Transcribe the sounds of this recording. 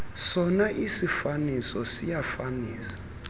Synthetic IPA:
sɔnaʔisifanisɔsijafaniːsḁ

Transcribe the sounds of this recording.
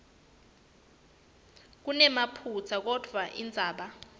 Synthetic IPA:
k̬unɛmapʰut͡sʰak̬ɔd̥ʱwaʔḭnd͡zʱaːɓa

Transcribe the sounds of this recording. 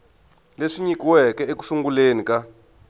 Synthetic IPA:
leʂiɲikiwɛkɛeku̥suŋɡulenika

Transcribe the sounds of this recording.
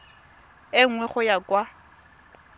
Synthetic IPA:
ɪŋ̩wɛχʊjakʼwa

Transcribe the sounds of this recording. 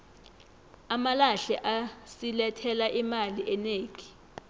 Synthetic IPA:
amalaɬɛʔasilɛtʰɛlaʔimaliʔɛneːk̬ʼi̥

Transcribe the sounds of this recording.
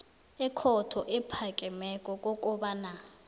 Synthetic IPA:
ɛkʰɔtʰɔʔɛpʰakʼɛmɛkʼɔkʼɔkʼɔɓana

